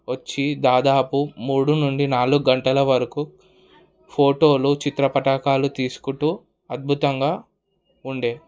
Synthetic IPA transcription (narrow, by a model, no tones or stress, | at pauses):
ʋɐt͡ʃːid̪aːd̪aːpumuːɽunuɳɖinaːluɡuɡɐɳʈɐlɐʋɐɾɐku | pʰo̞ːʈo̞ːlut͡ʃit̪ɾɐpɐʈɐkaːlut̪iːsu̥kuɳʈuː | ɐd̪̚bʱut̪ɐŋɡaː | uɳɖe̞ː